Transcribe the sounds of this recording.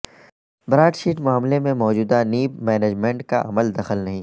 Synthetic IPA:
bɾaːʈʃiːʈmʊaːmlemẽmɔːd͡ʒuːd̪aniːpmɛːneːd͡ʒmẽɳʈkaʔɐməld̪ɐxəlnɐɦĩː

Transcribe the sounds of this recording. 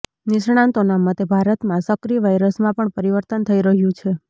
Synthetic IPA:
nɪʃɳ̃ãnt̪onamət̪ebʱaɾət̪mãsəkɾiʋajɾəsmãpəɳpəɾiʋəɾt̪ənt̪ʰəiɾəɦjũt͡ʃʰe

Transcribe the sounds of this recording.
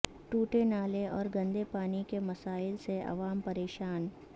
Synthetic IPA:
ʈuːʈenaːleɔːɾɡɐ̃nd̪epaːnikemɐsaːɪlseʔɐ̰ʋaːmpɐɾeːʃaːn

